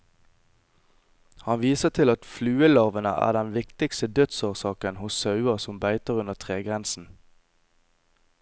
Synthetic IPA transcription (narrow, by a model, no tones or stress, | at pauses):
hɑnʋiːsəʁt̪ʰɪlɑt̪flʉːəlɑʁʋənə̰ʔæ̰ːʁd̪ɛnʋɪkt̪ɪkst̪əd̪œt̪soːʁsɑːkənhʊssɑʉəʁsɔmbæɪt̪əʁʉnəʁt̪ʰʁeːɡʁɛnsn̩